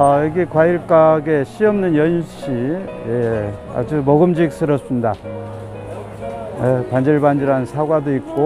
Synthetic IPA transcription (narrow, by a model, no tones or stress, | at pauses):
ʌjʌɡikwaiɭk͈aɡe̞ɕ͈ʰiʌmnɯnjʌnɕ͈ije̞a̰d͡ʑumʌɡɯmd͡ʑik̚s͈ɯɾʌs͈ɯmɲida | jekand͡ʑʌɭband͡ʑiɾansʰaɡwadoik̚k͈o